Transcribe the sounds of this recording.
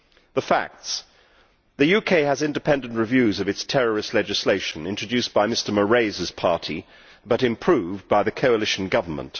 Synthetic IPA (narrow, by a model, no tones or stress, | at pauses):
ðəfæ̰k̚ts | ðɨjʉkʰeɪəzɪ̃ndɨpʰɛ̃ndɨ̃n̩ʔɹɨvjʉzʌvɨtstʰɛɹə˞ɨslɛd͡ʒɨsleɪʃnɪ̃nt͡ʃɹ̥ɨdʉsb̥aɪmɪstə˞məɹeɪzɨz̥pʰɑɹɾʰi | bʌɾɨ̃mpʰɹ̥ʉvbaɪðɨkʰoʊəlɪʃn̩ɡʌvə˞mə̰̃nt